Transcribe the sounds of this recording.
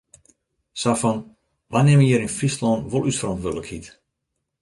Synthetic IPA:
safɔn | ʋanɛməjəɾinfistlɔnʋolˠysfrɔ̃ntʋødələkhit

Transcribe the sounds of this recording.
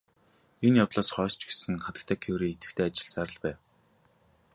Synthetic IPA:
enjawt̪ɮɔːsχœːst͡ɕɡesɘ̆ŋχat̪ə̥̆kt̪ʰæːkʰewɾiːet̪ɘ̥̆kt̪ʰeːat͡ɕɪ̥̆ɮt͡saɾə̆ɮpæːw

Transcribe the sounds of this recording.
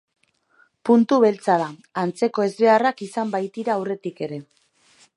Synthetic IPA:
punt̪uβe̞lt͡sað̞aant͡se̞ko̞e̞zβe̞arakisambajt̪iɾaːwre̞t̪ike̞ɾe̞

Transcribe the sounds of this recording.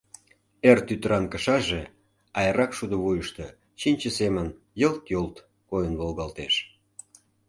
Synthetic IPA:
ert̪yt̪ɾɑnkə̆ʃɑʒe | ɑjəɾɑkʃud̪ŏβujəʃt̪ɤ | t͡ɕinʲt͡ɕəsemən | jə̆lt̪jolt̪ | kojənβolɣɑlt̪eʃ

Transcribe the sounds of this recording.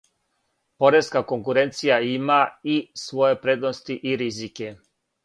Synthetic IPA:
po̞ɾeskakoŋkuɾent̪sijaimaisʋo̞je̞pɾed̪nost̪iʔiɾizike

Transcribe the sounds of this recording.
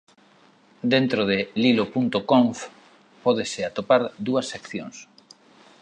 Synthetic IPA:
d̪ent̪ɾoð̞ɪlilopunt̪okoɱf | pɔð̞esɪat̪opaɾd̪uɐsːekθjoŋs

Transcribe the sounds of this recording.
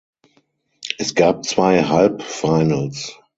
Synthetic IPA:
ʔɛsɡ̥aːp̚t͡sv̥aɪɦalpfaɪnəls

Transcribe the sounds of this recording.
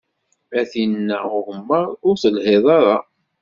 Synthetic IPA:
æθinːæʊhəmːəɾˤʊɾθəlhɪðˤɑɾˤɑ

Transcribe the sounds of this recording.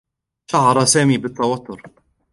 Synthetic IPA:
ʃɐʕɾɐsɛmibɪt̪ːɐwɐt̪ːʊɾ

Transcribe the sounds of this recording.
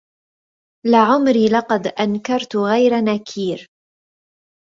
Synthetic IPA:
laʕʊmɾiːlɑqɑd̪ʔankɑɾˤt̪ʊɣajɾanakʰiːɾ

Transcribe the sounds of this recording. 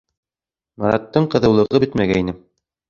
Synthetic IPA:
mɑɾɑ̰t̪ːɤɴqɤ̆ðɤ̆wlˠɤ̆ʁɤbɘt̪mæɡæinɘ

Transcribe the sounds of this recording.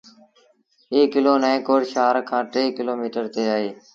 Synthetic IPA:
eːkːɪloːnəẽːkoːɽʃaːɾkʰãːʈeːkɪloːmiːʈəɾt̪eːaːɦeː

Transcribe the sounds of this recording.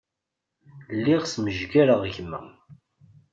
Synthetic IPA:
lːiʁsməʒɡaɾəʁʝəmːə̰

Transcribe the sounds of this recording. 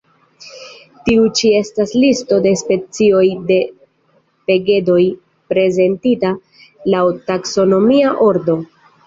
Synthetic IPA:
tiut͡ʃie̞staslisto̞de̞spe̞t͡sio̞jde̞ | pe̞ɡe̞do̞j | pɾe̞ze̞ntita | lawtakso̞no̞miaʔo̞ɾdo̞

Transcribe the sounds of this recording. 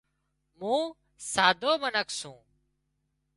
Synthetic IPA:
mũː | saːd̪ʱoːmənəkʰsũː

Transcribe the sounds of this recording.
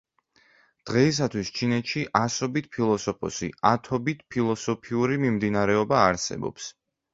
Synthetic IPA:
d̪̥ʁɛis̬at̪ʰwist͡ʃʰinɛt̪ʃiʔasɔbit̪̚ʰpʰilˠɔsɔpʰɔ̰sḭat̪ʰɔbit̪ʰpʰilˠɔsɔpʰiuɾimimd̪inaɾɛɔbaːɾsɛ̰bɔ̰ps

